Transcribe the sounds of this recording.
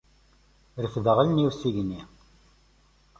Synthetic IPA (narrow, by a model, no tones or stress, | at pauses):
ɾəfðəʁəlniwsiʝni